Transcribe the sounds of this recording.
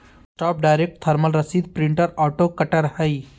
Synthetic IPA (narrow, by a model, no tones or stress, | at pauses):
ʈaːp̚ɖajɾek̚ʈt̪ʰɐɾmɐlɾɐsiːd̪̚pɾiɳʈəɾaːʈokɐʈɐɾhəj